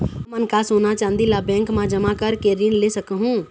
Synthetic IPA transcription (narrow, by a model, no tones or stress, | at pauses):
mɐnkasoːnat͡ʃãːnd̪ilabɛ̃ːŋkmãd͡ʒɐmakəɾkeːɾinlesɐkɦũː